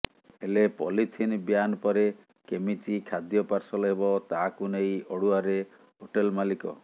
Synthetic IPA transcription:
elepɔlit̪ʰinbjanɔpɔɾe | kemit͡ʃikʰad̪jɔpaɾsɔlɔɦebɔt̪akunejɔɽuaɾe | ɦoʈelmalikɔ̰

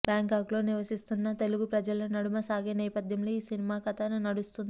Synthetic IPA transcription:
bjaːŋkaːklo̞ːniʋɐsist̪unːɐt̪e̞luɡupɾɐd͡ʒɐlɐnɐɽumɐsaːɡeːnɛːpɐd̪ʱjɐmlo̞ːiːsinimaːkɐt̪anunɐɽust̪undii

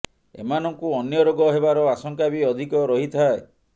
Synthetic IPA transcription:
ḛmanɔŋkuɔnjɔɾoɡɔɦeβaɾɔasɔŋkabiɔd̪ʱikɔɾɔɦit̪ʰae

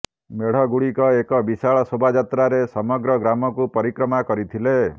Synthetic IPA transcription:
meɽ̤ɔɡuɽikɔekɔbisaɭɔsobʱad͡ʒat̪ɾaɾesɔmɔɡɾɔɡɾamɔkupɔɾikɾɔmakɔɾit̪ʰile

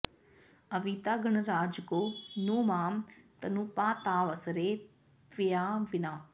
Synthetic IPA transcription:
əʋiːt̪aːɡəɳɾaːd͡ʒkoːnuːmaːmt̪ənupãːt̪aːʋəsəɾeː | ʋɪjaːʋɪnaː

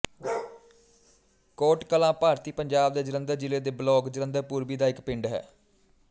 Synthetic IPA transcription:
koːʈkəlãːpaːɾt̪iːpəɲd͡ʒaːbd̪eːd͡ʒɪɾənd̪əɾd͡ʒɪleːd̪eːblɔːɡd͡ʒɪɾə̃nd̪əɾpuːɾbiːd̪aːɪkpɪɳɖɦɛ̰ː

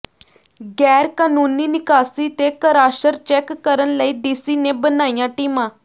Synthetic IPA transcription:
ɡɛːɾkaːnuːniːnɪkaːsiːt̪eːkəɾaːʃəɾt͡ʃɛːkːəɾənləiːɖiːsiːnẽːbənaːijãːʈiːmãː

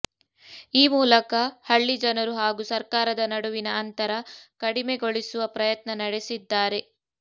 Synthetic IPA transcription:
iːmuːlɐkɐhɐɭːid͡ʒɐnɐɾuɦaːɡusɐɾkaːɾɐd̪ɐnɐɽuʋinɐːnt̪ɐɾɐkɐɽime̞ɡo̞ɭisuʋɐpɾɐjɐt̪nɐnɐɽe̞sid̪ːaːɾe̞

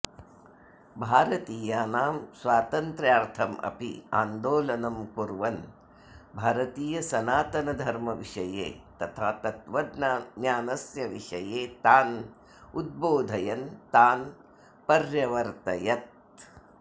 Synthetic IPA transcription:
bʱaːɾɐt̪iːjaːnaːmsʋaːt̪ɐnt̪ɾjaːɾt̪ʰɐmʔɐ̰pḭa̰ːnd̪oːlɐnɐmkuɾʋɐn | bʱaːɾɐt̪iːjɐsɐnaːt̪ɐnɐd̪ʱɐɾmɐʋiʂɐjḛːt̪ɐt̪ʰat̪ɐt̪ʋɐd̪njaːnɐsjɐʋiʂɐjeːt̪aːn | ud̪̚boːd̪ʱɐjɐnt̪aːn | pɐɾjɐʋɐɾt̪ɐjɐt̪̚

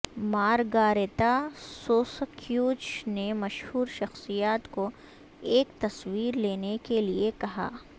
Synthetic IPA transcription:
maːɾɡaːɾet̪asoːskʰjuːt͡ʃnemɐʃhuːɾʃɐxsijaːt̪ko | eːkt̪ɐswiːɾleːnekeliekɐɦa̰ː

